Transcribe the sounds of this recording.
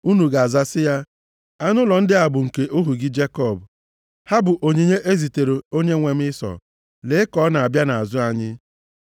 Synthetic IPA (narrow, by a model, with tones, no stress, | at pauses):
u˦nu˨ɡa˨za˦sɪ˦ja˦ | a˦nʊ˦lɔ˨n̩˦dɪ˦a˨bʊ˨ŋ̩˨ke˨ʔo˦ɦu˨ɡɪ˦d͡ʒe˦kɔ˦˨b | ha˦bʊ˨ʔo˨ɲe˨ɲe˦ʔe˦zi˨te˨ɾe˨o˦ɲe˦ŋʷe˨m̩˦ɪ˦sɔ̰˨ | le˨˦ɪ˦kɔ˦na˨a˨bja˦na˨a˨zʊ˦a˦ɲɪ˦